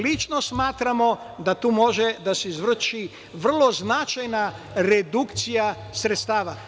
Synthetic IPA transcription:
lit͡ʃno̞smaːt̪ɾamo̞ | d̪at̪uːmo̞ʒed̪aseizʋr̩ʃi | ʋr̩lˠo̞znat͡ʃajna | ɾed̪ukt̪sija | sɾet̪st̪aːʋa

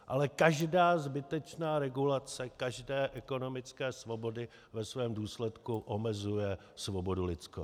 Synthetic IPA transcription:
ʔalɛkaʒdaːzbɪt̪ɛt͡ʃnaːɾɛɡulat͡sɛkaʒdɛːʔɛko̞no̞mɪt͡skɛːsvo̞bo̞dɪ | vɛsvɛːmduːslɛt̪kuʔomɛzujɛ | svobo̞dulɪt͡sko

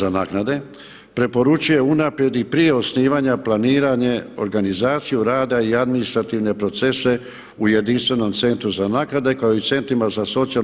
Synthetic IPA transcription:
anaːknad̪e̞ | pɾe̞po̞ɾut͡ʃuje̞unapɾje̞d̪ipɾije̞o̞sniːʋaɲaplaniːɾaɲe̞o̞̰ɾɡanizaːt̪sijuɾaːd̪aiad̪minist̪ɾat̪iʋne̞pɾo̞t̪se̞se̞ | uje̞d̪inst̪ʋe̞no̞mt̪se̞nt̪ɾuzanaːknad̪e̞kaoit̪se̞nt̪ɾimazaso̞t̪sia

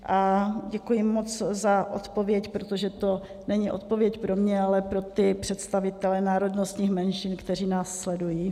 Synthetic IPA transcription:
ʔaɟɛkujɪmːot͡szaʔo̰t̪po̞vjɛcpɾot̪oʒɛt̪o̞ | nɛɲɪʔo̞̰t̪̚po̞vjɛcpɾo̞mɲɛalɛpɾo̞t̪ɪpr̥ɛt̪st̪avɪt̪ɛlɛnaːɾo̞dnost̪ɲiːxmɛnʃɪnkt̪ɛr̝iːnaːsːlɛdujiː

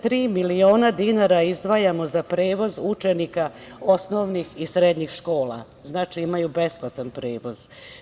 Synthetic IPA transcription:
t̪ɾiːmilioːnad̪inaɾaizd̪ʋaːjamo̞zapɾeːʋo̞zut͡ʃenika | o̞sno̞ʋnixisɾed̪ɲixʃko̞ːla̰ | znaːt͡ʃiimajube̞splˠat̪anpɾeːʋo̞z̥

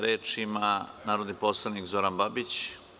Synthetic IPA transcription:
ɾeːt͡ʂimanaːɾod̪nipoːslˠaʋnikzoɾanbabit͡ɕ

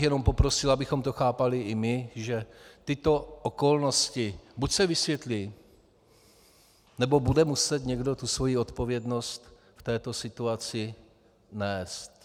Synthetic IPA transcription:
jɛno̞mpo̞pɾo̞sɪlabɪxo̞mt̪o̞xaːpalɪʔɪmɪʒɛt̪ɪt̪o̞ʔoko̞lno̞scɪbucsɛvɪsvjɛt̪li | nɛbo̞budɛmusɛt̪ɲɛɡdo̞t̪usvo̞jiːo̞t̪po̞vjɛdno̞st̪ | ft̪ɛːt̪o̞sɪt̪uat͡sɪ | nɛːst̪

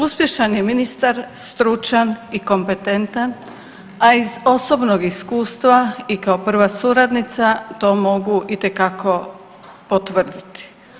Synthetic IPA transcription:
uspje̞ʃanjeminist̪aɾst̪ɾut͡ʃaniko̞mpet̪e̞nt̪an | aizo̞so̞bnoɡiskuːst̪ʋaikaopr̩ʋasuɾad̪nit̪sat̪o̞ːmo̞ɡuʔit̪e̞kakʰo̞ | pot̪ʋr̩d̪it̪i̥

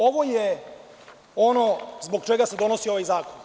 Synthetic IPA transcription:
oʋo̞je | o̞nozbo̞ɡt͡ʃeɡase̞d̪o̞no̞sio̞ʋajzaːkon

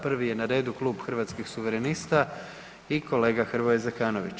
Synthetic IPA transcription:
pr̩ʋije̞naɾe̞ːd̪uklˠuːbxr̩ʋat̪skixsuʋeɾenist̪a | ikʰo̞le̞ːɡaxrʋoezekaːnoʋḭt͡ɕ

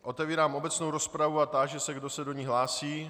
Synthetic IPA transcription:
ʔo̞t̪ɛviːɾaːmʔo̞bɛt͡snowɾospɾavuat̪aʒɛsɛɡdosɛdoɲiɦlaːsiː

